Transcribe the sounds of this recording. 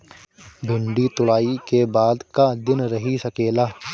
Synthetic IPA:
bʱʊ̃ɳɖit̪ʊlaːikebaːd̪kad̪ɪnɾɐɦisɐkeːlaː

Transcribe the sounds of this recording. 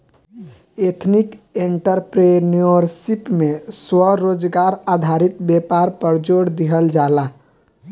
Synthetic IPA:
et̪ʰnikeɳʈəɾpɾenoɾsipmeswəɾod͡ʒɡaɾad̪ʱaɾit̪bepaɾpəɾd͡ʒoɽd̪iɦəld͡ʒala

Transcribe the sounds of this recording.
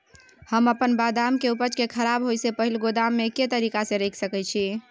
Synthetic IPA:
həməpənbad̪amkeupət͡ʃkekʰəɾabɦojsepəɦilɡod̪amːeket̪əɾikasẽɾəjkʰsəkɛt͡ʃʰi

